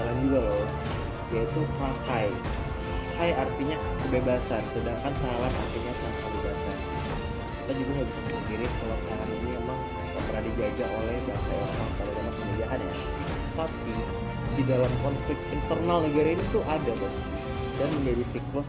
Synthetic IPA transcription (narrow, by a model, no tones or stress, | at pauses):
aland͡ʒuɡalo | jait̪upakaj | hajart̪iɲa | kəbebasansədaŋkant̪aalana̰rt̪iɲat̪aŋankəbebasa̰n | kit̪ad͡ʒuɡaɦaduskəpiɾɪnkəlaʔt̪aɦaninimemaŋ | kapəɾandiɡad͡ʒaʔolɛhjaŋt͡ʃajaemaŋpadamamakəmud͡ʒaɦanja̰ | t̪api | didalankɔnflɪk̚t̪int̪ərnalnəɡaɾainit̪uʔadaba | danməmbedisiklʊ